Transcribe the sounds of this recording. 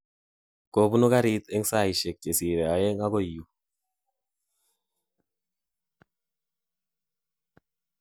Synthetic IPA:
ko˨bu˦nu˦ka˦ɾi˦t̪ɛ˦ŋsa˦˨i˨ʃɛ˨k̚t͡ʃe˨si˨ɾe˨a˨jɛ˦ŋa˦ɡo˦i˨u˨

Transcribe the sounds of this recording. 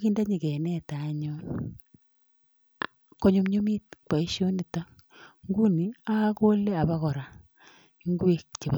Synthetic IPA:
kiː˦nda˦ɲi˨kɛ˨nɛ˦ta˨ɲo˦n | ko˦ɲo˨mɲo˦mi˦t̚ka˨i˦ʃjo˦ni˨ta˦ | ŋɡu˦ni˨a˦ko˦le˦a˨βa˦kɔ˨ɾa˨ | i˦ŋɡu˦e˨kt͡ʃe˨β

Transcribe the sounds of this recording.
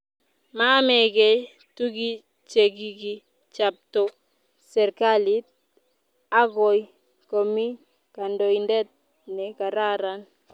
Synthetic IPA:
ma˦mɛ˨ɡɛ˦j | tu˦ɡi˦ | t͡ʃe˨ɡiɡi˦ | t͡ʃap̚to | sɛ˨ɾkali˦t̚ | a˦ɡo˨j | ko˨mi˦ | ka˨ndo˨indɛ˦t̚ | nɛ˨ka˨ɾa˦ɾan

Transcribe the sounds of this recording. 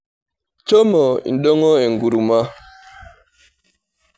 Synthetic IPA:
t͡ʃɔ˦mɔ˨ḭ˨n˨˦dɔ˦ŋɔ˦ɛ˨ŋ˨ɡu˨ɾu˨ma˦

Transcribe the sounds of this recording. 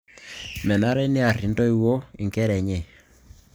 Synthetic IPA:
mɛ˨na˦ɾɛ˦nɪ˦a˨ri˨ndɔ˦i˦wo˦i˨ŋkɛ˦ɾɛ˨ɲe˨

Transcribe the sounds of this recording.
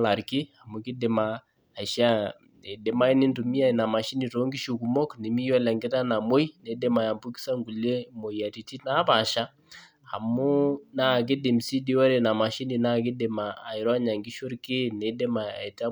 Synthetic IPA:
la˨ɾki˦a˨mu˨˦ki˦de˨ma | a˨ʃa˦ | e˨de˨ma˦i˦ni˦ntu˨mi˦a˦i˨na˨ma˨ʃi˦ni˨to˦ŋɡi˦ʃu˨ku˨mɔ˦kni˨mi˦jɔ˦lɛ˨ŋɡɛ˦ta˦na˨mo˦i˦ne˨˦de˦ma˨ja˨mbu˦ki̥˦sa˦ŋɡu˨le˦mo˨ia˨ɾi˨ti˦na˦βa˨ʃa˦ | ha̰˨mo˦na˦˨k̬e˦di˨msi˦di˦wa˦ɾe˨na˨ma˨ʃi˦ni˨na˦ki˦de˨ma̰ː˨i˨ɾɔ˦a˦ɲa˨ŋɡi˦ʃo˦ɾke˦ne˨de˦ma˨a̰˨e˨ta˦

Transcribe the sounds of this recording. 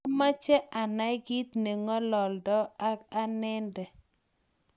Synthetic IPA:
ma˦t͡ʃɛ˦ʔa˨na˦jɡi˦t̪ne˨ŋɔ˦lɔ˨ldɔ˦a˦ka˦nɛ˦ndɛ˨

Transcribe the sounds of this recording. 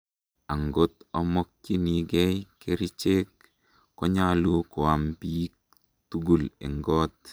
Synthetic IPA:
a˨ŋɡo˦t̪ɔ˦mɔ˦k̚ki˦ni˨ɡɛ˦jke˦ɾi˦t͡ʃe˦kː | ɔ˦ɲalu˦kʊ˨a˨mpik | tu˦ɡu˨lḛ˨ŋɡɔ˦t̪̚

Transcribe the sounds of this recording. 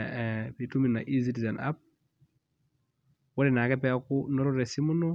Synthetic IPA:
pi˨tu˦mi˨na̰˨ʔi˦z̬i˦ti˨zɛ˨na̰˦p̚ | wɔ˦ɾɛ˨na˨kɛ˦p̬ɛ˦a˦ku˦nɔ˦ɾɔ˦ɾɛ˨si˦mu˦nɔ˦

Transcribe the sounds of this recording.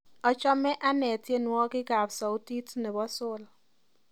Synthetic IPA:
ɔ˨t͡ʃɔ˦mɛ˦ʔa˦nɛ˨tje˦nwɔ˦kɪ˦ɡa˨psɔ˨u˦ti˦tnɛ˨bɔ˦sʊ˦˨l

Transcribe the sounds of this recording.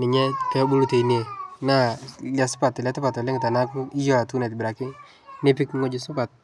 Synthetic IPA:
nɪ˨ɲɛ˦kɛ˦bu˦lu˦te˨i˦ne˨na˦la˨sʊ̥˦pa˨tːɪ˨lɛ˦tɪ˦pa˨tɔ˨lɛ˦ŋɪ˨ta˨na˦ku˦i˦jɔ˦a˨tu˦nɛ˨tbɪ˨ɾa˨kɪ˦ | ne˦pi˦kŋo˦d͡ʒʊ˦sʊ˦pa˨t̚

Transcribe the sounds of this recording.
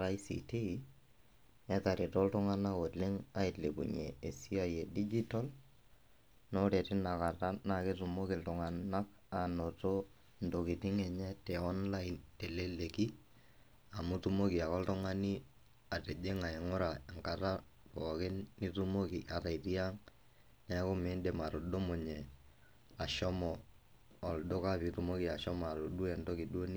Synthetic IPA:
ɾa˦i˦sḭ˨te˦i˨ | ɛ˦ta˨ɾɪ˨tɔ˦ltʊ˦ŋa˦na˦ko˨lɪ˦ŋa˦ɪ˨tle˨kṵ˨ɲḛ˨e˨si˦a˨je˨di˦d͡ʒi˦ta˦l | nɔ˦ɾe˨tɪ˦na˨ka˨ta˦na˨kɪ˦tu˨mo˦kɪ˨ltʊŋa˨na˦k̚ | a˨no˨to˦ | ndo˨kɪ˨tɪ˦ŋɛ˨ɲɛ˦tɛ˨ɔ˦nla˦ɪ˨nte˨le˦le˨ki˦ | a˨mu˦tu˦mo˦ki˨a˨kɔ˦ltɔ˦ŋa˦ni˦ | a˨tɛ˨d͡ʒe˦ŋa˨ɛ˨ŋʊ˦ɾa˨ɛ˨ŋka˨ta˦ | pɔ˨kɪ˦ni˦tu˦mo˦ki˨ʔa˨ta˨i˨ti˦a˦ŋ | na˨˦ko˦me˨˦ndɛ˨ma˨ɾo˨ɗo˦mo˨ɲɛ˨ | a˨ʃɔ˦mɔː˨ | ldo˦ka˦pi˨tu˨mo˦ki˨a˨ʃɔ˦ma˨ɾo˨ɗu˦ɛ˨ndo˦ki˨ɗo˦ni˦

